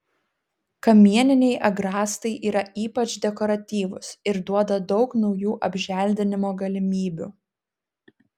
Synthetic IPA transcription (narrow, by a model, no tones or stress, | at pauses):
kɐmʲiɛnʲɪnʲɛɪʔɐɡɾɑːst̪ɐɪʔiːɾɐʔiːpɐt͡ʃd̪ʲɛkɔɾɐt̪ʲiːʋʊsɪɾd̪uɔd̪ɐd̪ɒʊknɒʊjuːʔɐbʲʒʲæˑlʲd̪ʲɪnʲɪmoːɡɐlʲɪmʲiːbʲṵːˑ